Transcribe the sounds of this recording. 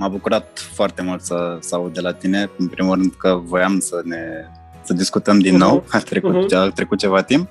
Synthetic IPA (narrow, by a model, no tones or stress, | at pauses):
mabukuɾat̪̚foart̪e̞mult̪səsəaud̪̚d̪e̞lat̪ine̞ɨnpɾimulrɨnd̪kəvo̞jamsəne̞ | səd̪iskut̪əmd̪inːo̞wat̪ɾekut̪t͡ʃat̪ɾe̞kut̪̚t͡ʃe̞vat̪imp